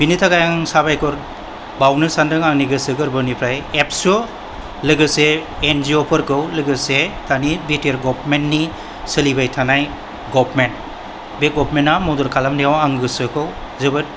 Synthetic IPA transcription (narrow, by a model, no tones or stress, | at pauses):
binitʰaɡajaŋŋsabajkʰɔɾ | bawnɯsandɯŋaŋniɡɯsɯɡɯɾbɯnipʰɾajep̚su | lɯɡɯseːnziɔpʰɯɾɡɯwlɯɡɯsetʰanibiteɾɡɔpʰmentni | sɯlibajtʰanaj | ɡɔpʰment | beɡɔpʰmenːamɔdɔɾkʰalamdiawaŋɡɯsɯkʰɯw | zɯbɯt̚